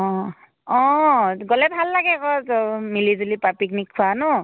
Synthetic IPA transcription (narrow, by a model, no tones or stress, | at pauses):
ɔ̃ | ɔ̃ɡolɛbʱalːaɡɛkɔmilizulipapik̚nikʰːuanʊ